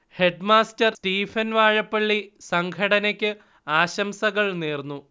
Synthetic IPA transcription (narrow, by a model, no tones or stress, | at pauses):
he̞ɖmaːstɐrstiːfɐnʋaːɻɐpːɐɭːisɐŋɡʰɐɽɐnɐkʲːɨ | aːɕɐmsɐɣɐɭneːrnːu